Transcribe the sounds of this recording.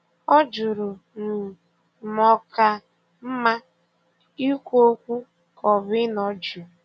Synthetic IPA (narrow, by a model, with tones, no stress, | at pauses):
ɔ˦d͡ʒʊ˨ɾʊ˨ | n̩˨ | mɔ˨ka˨ | m̩˦ma˦ | i˦kʷo˦kʷu˦ | kɔ˨βɪ˦nɔ˨d͡ʒu˨